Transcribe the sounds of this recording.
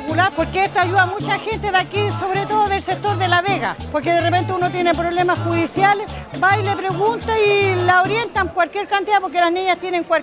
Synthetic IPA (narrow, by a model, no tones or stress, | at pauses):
pulapo̞ɾkeest̪oaʝuðamut͡ʃaxe̞nt̪eðakiso̞βɾet̪o̞ðoðe̞lsek̚t̪oɾðe̞laβeɣa̰po̞ɾkeðerepe̞nt̪euno̞t̪̬jenepɾo̞βle̞masxuðisjalesbajlepɾeɣunt̪ailaoɾje̞nt̪aŋkwalkʲjeɾkant̪iðapo̞ɾkelasniɲast̪jeneŋkwa